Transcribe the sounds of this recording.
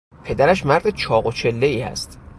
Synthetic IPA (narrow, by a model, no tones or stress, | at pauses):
pʰe̞d̪æɾæʃmæɾd̪et͡ʃʰɒːɣot͡ʃʰe̞lːeiːæ̰st̪